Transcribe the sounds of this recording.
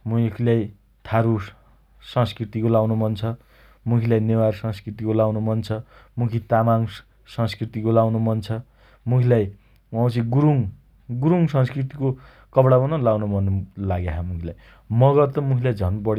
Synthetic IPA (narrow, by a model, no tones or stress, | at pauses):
mukʰilaj | t̪ʰaɾu | sʌ̃ŋskrit̪ikolawnomʌnt͡sʰʌ | mukʰilajnewarsʌ̃ŋskrit̪ikolawnomʌnt͡sʰʌmukʰit̪amaŋ | sʌ̃ŋskrit̪ikolawnomʌnt͡sʰʌ | mukʰilaj | wawt͡sĩɡuɾuŋ | ɡuɾuŋsʌ̃ŋskrit̪iko | kʌbɽabʌnʌlawnomʌnːolaɡjaɦamukʰilaj | mʌɡʌrt̪ʌmukʰilajd͡zʱʌnbʌɽ